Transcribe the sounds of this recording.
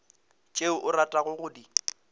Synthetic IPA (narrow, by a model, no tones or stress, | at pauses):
t͡ʃʼeʊʔʊratʼaɣʊɣʊdi